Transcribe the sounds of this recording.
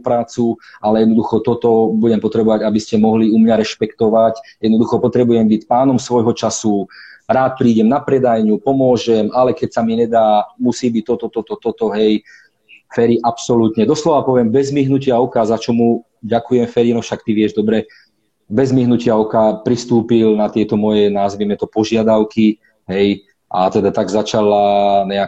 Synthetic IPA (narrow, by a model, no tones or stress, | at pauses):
pɾaːt͡sualɛjɛd̪nɔd̪uxɔt̪ɔt̪ɔbuɟɛmpɔt̪ɾɛbɔʋaɟabiscɛmɔɦliumɲaɾɛʃpɛkt̪ɔʋacjɛd̪nɔd̪uxɔpɔt̪ɾɛbujɛmbicpaːnɔmsʋɔjɦɔt͡ʃasuɾaːt̪̚pɾiːɟɛmnapɾɛd̪ajɲupɔmʊɔʒɛmalɛkɛcsamiɲɛd̪aːmusiːbic̚t̪ɔt̪ɔt̪ɔt̪ɔt̪ɔt̪ɔɦɛj | fɛɾiʔapsɔlut̪ɲɛd̪ɔslɔʋapɔʋɪɛmbɛzmiɦnucɪaɔkazat͡ʃɔmu | ɟakujɛmfɛɾinɔfʃakt̪iʋɪɛʒd̪ɔbɾɛ | bɛzmiɦnucɪaɔkapɾist̪uːpilnat̪ɪɛt̪ɔmɔjɛnaːzʋimɛt̪ɔpɔʒɪad̪aʊki | ɦɛj | ʔat̪ɛd̪at̪aɡzat͡ʃalaɲɛa